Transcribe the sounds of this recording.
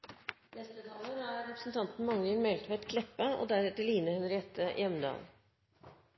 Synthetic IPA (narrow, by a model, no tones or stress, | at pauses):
nɛst̪ət̪ʰɑːloːɾæɾɾɛpɾəsn̩t̪ʰɑnt̪n̩mɑŋləlmɛlt̪ʰʋɛɛt̪kʰlɛpːəo̰ːd̪æɾɛt̪əɭiːnəhʉnəɾjɛt̪ʰːəjɛmnd̪ɑ̰ːl